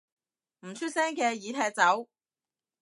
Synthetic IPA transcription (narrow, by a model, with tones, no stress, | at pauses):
m̩˨˩t͡ʃʰy˥t̚sɛː˥ŋkɛː˧jiː˨˥t̪ʰɛː˧k̚t͡sɐ˨˥w